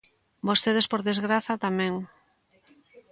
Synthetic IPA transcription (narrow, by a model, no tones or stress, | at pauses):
bost̪eðespoɾðezɣɾaθat̪amɛ̃ŋ